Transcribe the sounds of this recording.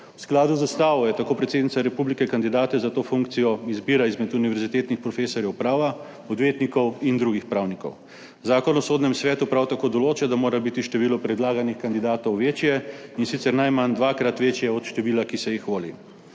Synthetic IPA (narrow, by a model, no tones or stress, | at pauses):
wsklaːd̪uzast̪aːʋɔjɛt̪akoːpɾɛt̪seːd̪nit̪saɾɛpublikɛkand̪id̪aːt̪ɛzat̪oːfuŋk̚t̪sijɔizbiːɾaizmɛt̪uniʋɛɾzit̪eːt̪nixpɾɔfeːsɔɾjɛwpɾaːʋa | ɔd̪ʋeːt̪nikɔwind̪ɾuɡixpɾawnikɔ̰w | zaːkɔnɔsoːd̪nɛmsʋɛːt̪upɾawt̪akoːd̪ɔloːt͡ʃɛd̪amoːɾabit̪iʃt̪ɛʋiːlɔpɾɛd̪laːɡanixkand̪id̪aːt̪ɔwʋeːt͡ʃjɛinsit̪sɛɾnajmand̪ʋaːkɾat̪ʋeːt͡ʃjɛɔt̪ʃt̪ɛʋiːlakisɛjixʋoːlḭ